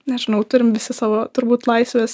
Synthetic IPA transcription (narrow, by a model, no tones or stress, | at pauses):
nʲɛʒʲɪnɐʊt̪ʊɾʲɪmʋʲɪsʲɪsɑːʋoːt̪ʊɾbuːt̪lˠɐɪsʋʲes